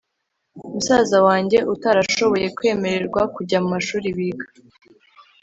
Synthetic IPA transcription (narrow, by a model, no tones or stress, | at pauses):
umusazawaːɲɟe̞ʔutaɾaʃo̞βo̞je̞kwe̞ːme̞ɾe̞ɾɡwakuɾɟamumaʃuːɾiβiɡa